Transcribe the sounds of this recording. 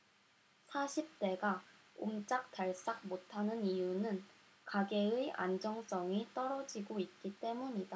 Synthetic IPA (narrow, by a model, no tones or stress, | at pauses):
sʰaɕʰip̚t͈e̞ɡa | o̰mt͡ɕ͈ak̚taɭs͈ak̚motʰanɯnijunɯn | kaɡe̞ɯʔa̰nd͡ʑʌŋs͈ʌŋit͈ʌɾʌd͡ʑiɡoit̚k͈it͈e̞muɲida